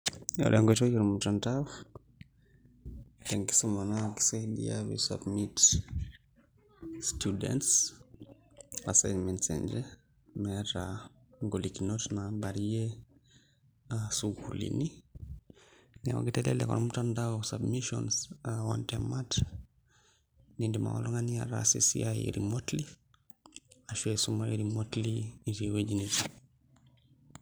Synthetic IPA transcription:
a̰lɛŋɡɔt͡ʃɔjiɾamutandaɔ | tɛŋki̥sɔmanaki̥sɛdḭa̰wḭsa̰bmit | studɛ̰nts | asajnmɛntsɛ̰nd͡ʒɛ | mɛataŋɡɔlikinɔtnaɓaɾiɛ | asuɡkulḭni | na̰wa̰ɡitɛlɛ̰lɛ̰kɔ̰ɾamutandaɔsabmiʃɔ̰nsawantamat | nindima̰wa̰loŋania̰ɾa̰sḛsḭajḛɾḭmotli | aʃwesumaiɾimotlid͡ʒiewed͡ʒinid͡ʒi

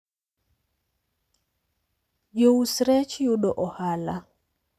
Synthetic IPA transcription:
jousɾɛt͡ʃjuɗɔʔɔhala

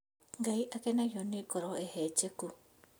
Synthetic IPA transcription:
ŋɡaiʔakenajonikoɾoehet͡ʃeku

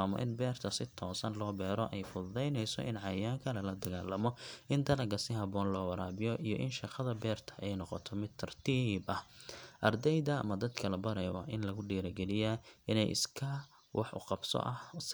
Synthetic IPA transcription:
aːmɔ̰ʔɪ̰nbɛːrt̪ʰɐsɪt̪ʰɔːsɐnlɔːbɛːɾɔʔɛjfʊðɛjnɛjsɔ̰ʔɪnʕɑjaːŋkʰɐlɐlɐd̪ɐɣaːlːɐmɔɪnd̪ɐlɐɡɐsɪhɐbɔːnlɔːwɑɾaːbɪjɔʔijɔʔɪnʃɑqɐðɐbɛːrt̪ʰɐ̥ʔɛjnɔqɔt̪ʰɔmɪd̪̚t̪ʰːɐrt̪ʰiːbɐhʔɐrd̪ɛjd̪ɐɐ̰mɐd̪ɐd̪kʰɐlɐbɐɾɛjwɑ̰ʔɪnlɐɣʊɖiːɾɐɡɛlɪjaɪnɛjʔɪ̰skʰɐ | wɑħʔʊ̰qɑbsɔ̰ʔɐhs

